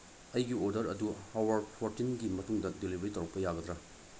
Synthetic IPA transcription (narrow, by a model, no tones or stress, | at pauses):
ɐjɡiodɐɾɐ̰duhawɐɾpʰoɾtinɡimɐtuŋdɐdilibɾitɐɾɐk̚pːɐjaɡɐd̪ɾɐ